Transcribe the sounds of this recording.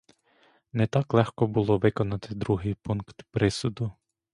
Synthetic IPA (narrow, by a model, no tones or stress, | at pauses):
nɛt̪ɑklˠɛxkɔbulˠɔʋɪkɔnɐt̪ɪd̪ɾuɦɪjpunkt̪pɾɪsʊd̪ʊ